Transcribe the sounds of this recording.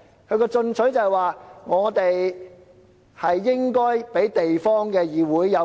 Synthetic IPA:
kʰɵ˧ɥkɔː˧t͡sɵ˧nt͡sʰɵ˨˥ɥjt͡sɐ˨waː˨ŋɔː˨˧t̪e˨j | hɐ˨jːɪ˥ŋkɔː˥jpe˨˥jt̪e˨jfɔː˥ŋkɛː˧jiː˨wuː˨˥jːɐ˨˧

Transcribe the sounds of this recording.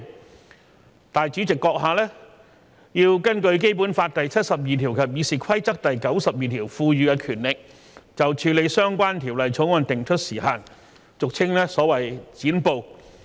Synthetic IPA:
t̪aː˨jt͡ʃyː˨˥t͡sɪ˨kːɔː˧k̚ɦaː˨˩lɛː˥ | jiː˧wkɐ˥nkɵ˧ɥk̬e˥jpuː˨˥nfaː˧t̚t̪ɐ˨jt͡sʰɐ˥t̚sɐ˨p̚jiː˨t̪ʰiː˨˩wkʰɐ˨˩p̚jiː˨˧siː˨˩kʰɐ˥jt͡sɐ˥k̚t̪ɐ˨jkɐ˨˥wsɐ˨p̚jiː˨t̪ʰiː˨˩wfuː˧ɥyː˧kɛː˧kʰyː˨˩nlɪ˨k̚ | t͡sɐ˨wt͡ʃʰyː˨˧le˨˧jsœː˥ŋkʷaː˥nt̪ʰiː˨˩wlɐ˨˩jt͡sʰʊ˨˥ŋwɔ˧nt̪ɪ˨ŋt͡ʃʰɵ˥t̚siː˨˩haː˨n | t͡sʊ˨k̚t͡sʰɪ˥ŋlɛː˥sɔː˨˥wɐ˨˩jt͡siː˨˥npo˧w

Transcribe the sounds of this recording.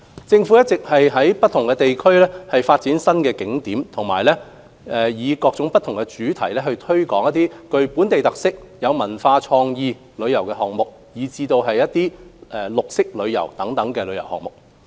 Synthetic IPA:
t͡sɪ˧ŋfu˨˥jɐ˥t̚t͡sɪ˨k̚hɐ˨jɦɐ˨˥jpɐ˥t̚t̪ʰʊ˨˩ŋkɛː˧t̪e˨jkʰɵ˥lɛː˥hɐ˨jfaː˧t̚t͡siː˨˥nsɐ˥nkɛː˧kɪ˨˥ŋt̪iː˨˥mt̪ʰʊ˨˩ŋma̰ː˨˩jlɛː˥ | ɛ˨jiː˨˧kɔː˧k̚t͡sʊ˨˥ŋpɐ˥t̪̚ʰʊ˨˩ŋkɛ˧t͡ʃyː˨˥t̪ʰɐ˨˩jlɛː˥ɦɵ˧ɥt̪ʰɵ˥ɥkɔː˨˥ŋjɐ˥t̪iː˥kɵ˨˧ɥpuː˨˥nt̪e˨jt̪ɐ˨k̚sɪ˥k̚jɐ˨˧wmɐ˨˩nfaː˧t͡ʃʰɔː˧ŋjiː˧ | lɵ˨˧ɥjɐ˨˩wkɛ˧ɦɔː˨˩ŋ̚mʊ˨k̚ | jiː˨t͡siː˧t̪o˧wɦɐ˨jːɐ˥t̚t̪iː˥ʔɛ˧lʊ˨k̚sɪ˥k̚lɵ˨˧ɥjɐ̰˨˩wt̪ɐ˨˥ŋt̪ɐ˨˥ŋkɛː˧lɵ˨˧ɥjɐ˨˩hɔ̰ː˨˩ŋmʊ˨k̚

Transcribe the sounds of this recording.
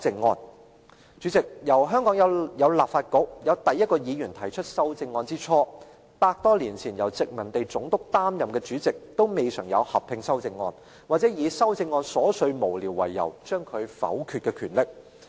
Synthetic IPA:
t͡sɪ˧ŋːɔ̰ː˧n | t͡ʃy˨˥t͡sɪ˨k̚jɐ˨˩wɦœː˥ŋkɔː˨˥ŋjɐ˨˧wjɐ˨˧wlaː˨pfaː˧t̚kʊ˨˥k̚jɐ˨˧wt̪ɐ˨jːɐ˥t̚kɔː˧jiː˨˧jyː˨˩nt̪ʰɐ˨˩jt͡ʃʰɵ˥t̚sɐ˥wt͡sɪ˧ŋːɔː˧nt͡siː˥t͡ʃʰɔː˥ | paː˧k̚t̪ɔː˥liː˨˩nt͡sʰiː˨˩njɐ˨˩wt͡sɪ˨k̚mɐ˨˩nt̪e˨jt͡sʊ˨˥ŋt̪ʊ˥k̚t̪aː˥mjɐ˨˩mkɛː˧t͡ʃyː˨˥t͡sɪ˨k̚t̪o˥wme˨˧jsœː˨˩ŋjɐ̰˨˧whɐ˨p̚pʰɪ˨˧ŋsɐ˥wt͡sɪ˧ŋːɔ̰ː˧n | waː˨k̚t͡sɛː˨˥jiː˨˧sɐ˥wt͡sɪ˧ŋːɔː˧nsɔː˨˥sɵ˧ɥmo˨˩wliː˨˩wːɐ̰˨˩jːɐ̰˨˩wt͡ʃœː˥ŋkʰɵ˨˧ɥfɐ̰˨˥wkʰy˧t̚kɛː˧kʰyː˨˩nlɪ˨k̚

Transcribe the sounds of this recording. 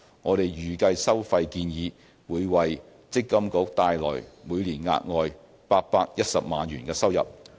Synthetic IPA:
ŋɔː˨˧ɾe˨jjyː˨˩kɐ˧jsɐ˥wfɐ˧jkiː˧njiː˨˧ | wuː˨˧jwɐ˨j | t͡sɪ˥kːɐ˥mkʊ˨˥k̚t̪aː˨˧jlɔ̰ː˨˩jmuː˨˧jliː˨˩nŋa̰ː˧t̚ŋɔː˨j | paː˧t̚paː˧k̚jɐ˥t̚sɐ˨p̚maː˨˧nɥyː˨˩nkɛː˧sɐ˥wjɐ̰˨p̚

